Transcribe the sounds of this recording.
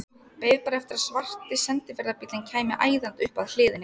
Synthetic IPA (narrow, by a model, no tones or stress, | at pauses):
peːjðpaːɾɛft̪ɪɾasvar̥t̪ɪsɛnt̪ɪvɛɾðapit̪lɪncʰaːjmɪʔaːjðant̪ʏhpaðl̥ɪːðɪnːɪ